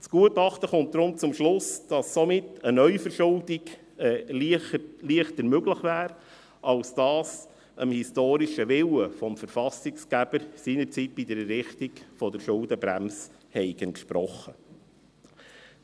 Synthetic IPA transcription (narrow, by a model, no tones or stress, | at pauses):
t͡sɡ̥uətɑχtəχʊnt̚d̥ɾʊmt͡sʊmʃlʊsd̥ɑsːɔmɪtənœʏfəɾʃʊldiɡ | ɛliliəχtəɾmøɡləχvæːɾ | ɑlsd̥ɑːs | ʔəmhistoːɾiʃəʋɪwəfɔmfəɾfɑsɪkskæb̥əɾsiːnəɾt͡sit̚b̥idəɾɛrɪχtiɡfɔdəɾʃʊldəbɾæ̰ms | hɛɪɡəntʃpɾɔχːə